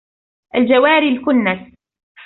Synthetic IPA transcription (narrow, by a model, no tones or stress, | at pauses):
ʔald͡ʒawaːɾilkʊnːas